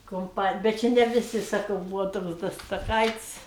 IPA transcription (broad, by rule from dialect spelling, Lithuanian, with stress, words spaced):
kʊmˈpɑːnʲɪj bʲɛt ˈt͡ʃʲɪ nʲɛ ʋʲɪˈsʲɪ sɐˈkɐʊ ˈbuːʋoː ˈtoːks dɐ stɐˈkɐɪtʲsʲ